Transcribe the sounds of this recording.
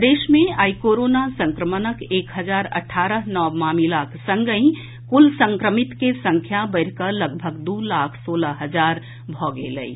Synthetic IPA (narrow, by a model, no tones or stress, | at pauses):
d̪eːʃmẽaːikoːɾoːnasə̃ŋkɾəmənəkʰeːkɦəd͡ʒaːɾə̰ʈʰːaːɾəɦnɔːmamilaːkʰsə̃ŋɡəĩ | kulsə̃ŋkɾəmɪt̪kesə̃ŋkʰjabəɪɾkələɡbʱəɡd̪uːlaːkʰsoːləɦəd͡ʒaːɾ | bʱɔːɡḛlə̰ḭ